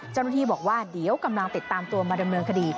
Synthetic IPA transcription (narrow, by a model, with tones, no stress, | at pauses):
t͡ɕa˥˩wna˥˩iː˥˩bɔː˨˩k̚waː˥˩di˩˦əwka˧mla˧ŋt̪i˨˩t̪ːaː˧mt̪u˧ɐmaː˧da˧mnɤː˧nkʰa˧diː˧